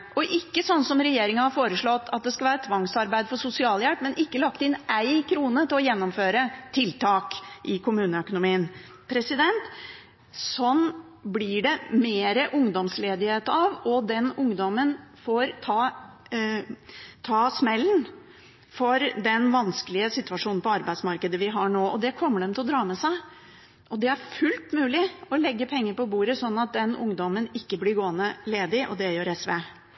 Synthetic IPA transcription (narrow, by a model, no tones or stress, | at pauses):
ʔɔʔɪkːəsɔnːsɔmɾɛjeːɾɪŋənhɑɾfoːɾəʂɭɔt̪ːɑt̪̚d̪ɛskɑʋæːɾət̪ʰʋɑŋsɑɾbæɪd̪fɔsʊsɪɑːljɛlpmɛnʔɪkːəlɑk̚t̪ɪnæɪkʰɾuːnət̪ʰɪlɔjɛnːɔmføːɾət̪ʰɪlt̪ʰɑːkʔɪkʰʊmʉːnəœkʊnʊmiːən | pʰɾɛsɪd̪ɛnt̪ | sɔn | blɪɖɛmeːɾəʔʊŋd̪ɔmsleːd̪ɪheːt̪ɑʋɔd̪ɛnʊŋd̪ɔmənfoɾt̪ʰɑː | t̪ʰɑːsmɛlːn | fɔɾd̪ɛnʋɑnskəlɪəsɪt̪ʉɑʂuːn̩pʰɔɑɾbæɪsmɑɾkəd̪əʋɪɦɑɳoːʔɔd̪ɛkʰɔmːəɖɛmt̪ʰɪlɔd̪ɾɑːmɛsæɪ | ʔɔd̪ɛæɾfʉlt̪mʉːlɪɔlɛɡːəpʰɛŋːəɾpɔbuːɾəsɔnːɑt̪̚d̪ɛnʊŋd̪ɔmənɪkːəblɪɾɡoːənəleːd̪ɪʔɔ̰d̪ɛjøːɾɛsʋeː